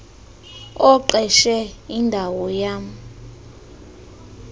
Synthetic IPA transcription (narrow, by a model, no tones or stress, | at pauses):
ɔǃɛʃɛindʱawɔjaːmu